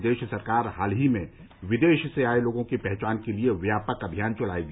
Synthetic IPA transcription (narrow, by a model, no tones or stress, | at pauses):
d̪eːʃsɐɾkaːɾɦaːlɦimẽ | ʋɪd̪eːʃseaːeloːɡõkipɛɦt͡ʃaːnkelieʋjaːpəkɐbʱijaːnt͡ʃʊɽaːeɡ